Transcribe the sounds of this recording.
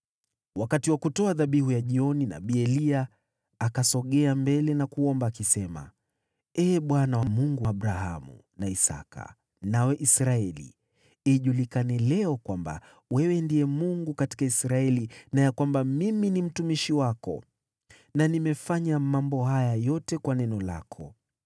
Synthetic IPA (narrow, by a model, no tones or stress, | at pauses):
wakatiwakutɔaðaɓihujaʄiɔnina̰ɓiɛliaː | kasɔɠɛambɛlɛnakuɔmbaːkisɛma̰ | ɛːɓwanawamuŋɡuaaɓɾaɦa̰mṵ | naisa̰ka̰ | nawɛʔisɾaɛlḭ | iʄulikanɛlɛɔkwamba̰ | wɛwɛndijɛmuŋɡukati̥kaisɾaɛlinajakwambamiminim̩tumiʃiwakɔ̰ | nanimɛfaɲamambɔɦajajɔtɛkwanɛnɔla̰kʰɔ̰